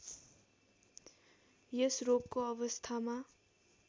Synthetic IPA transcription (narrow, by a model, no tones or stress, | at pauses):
jesrob̚koʌbʌst̪ʰama